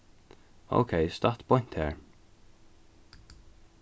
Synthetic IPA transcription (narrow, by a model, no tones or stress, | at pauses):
o̰ʊkʰeɪst̪at̪bɔn̥t̪hɛːɹ